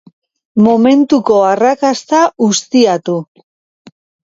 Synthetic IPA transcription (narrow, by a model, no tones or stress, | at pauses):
mo̞me̞nt̪uko̞arakast̪aust̪iat̪u